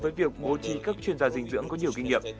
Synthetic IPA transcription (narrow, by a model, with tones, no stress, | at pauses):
vəː˨˦jvi˨˩əkk̚ɓo˨˦t͡ɕi˨˦kaː˦˥k̚t͡ɕwi˧ənzaː˧zï˨˩ŋ̟zɨ̰˧˥əŋkɔ˨˦ɲi˨˩əwki˧ŋ̟ŋḭ˧˨əmp̚